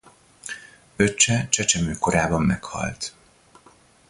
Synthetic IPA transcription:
øt͡ʃːɛt͡ʃɛt͡ʃɛmøːko̞ɾaːbɒmːɛkhɒ̰lt̪

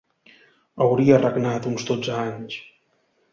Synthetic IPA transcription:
əwɾiərəɡnat̪unzd̪od͡zaaɲs

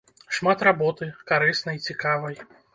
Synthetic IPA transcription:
ʂmat̪rabɔt̪ɨkaɾɨsnɐjt͡sʲikavɐj

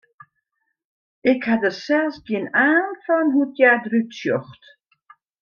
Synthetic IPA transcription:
ɪkhadəsɛlˠsɡiənaːnfɔnɦutjadrytsjɔxt

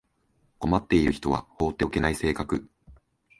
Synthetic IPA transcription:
ko̞mat̪ːe̞iɾɯ̟çi̥t̪o̞βa̰ho̞ːt̪ːeoke̞naise̞ːkakɯ̟

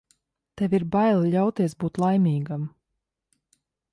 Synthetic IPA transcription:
t̪ɛvʲiɾbajlˠʎʲawt̪iɛsbuːt̪lˠajmʲiːɡam

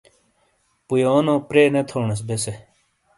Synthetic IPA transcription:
pujoːnõːpɾeːnet̪ʰoːɳes̬bese

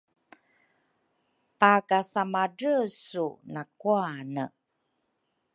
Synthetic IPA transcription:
pakasamaɖəsunakuanə̰

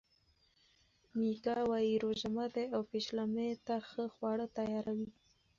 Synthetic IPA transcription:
mikɑwɑjiɾoʒamad̪eawpeʃlamet̪axəxwɑɽət̪ajɑɾawi

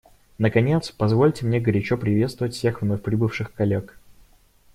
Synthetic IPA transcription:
nəkɐnʲet̪spɐzvo̞lʲtʲɪmnʲeɡəɾʲɪt͡ɕopɾʲɪvʲet̪st̪vəvətʲfsʲe̞xvnoxpɾʲɪbɨfʂɨxkɐlʲːek

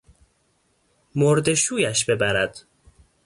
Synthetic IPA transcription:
moɾd̪e̞ʃuːjæʃbe̞bæɾæd̪̥

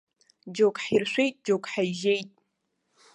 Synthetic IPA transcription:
d͡ʒokʼħirʃʷᶣejtʼd͡ʒokʼħajʒejtʼ

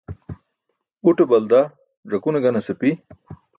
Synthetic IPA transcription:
uʈebɐld̪a | ʐɐkunɐɡɐnɐsepi

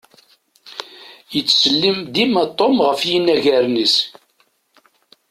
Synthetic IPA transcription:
jət͡sːsəlːimd̪imæt̪ˤːomʁəfjinːæʝæɾnis

